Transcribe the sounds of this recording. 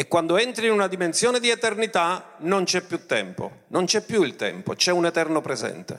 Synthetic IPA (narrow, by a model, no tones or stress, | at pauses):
ekːwand̪oɛnt̪ɾiːnunad̪imensjɔːned̪iet̪ernit̪anont͡ʃɛpːjut̪ːɛ̰mpo̰ | nont͡ʃɛpːjuilt̪ɛ̰mpo̰t͡ʃɛunɛt̪ɛrnopɾɛzɛ̰nt̪ḛ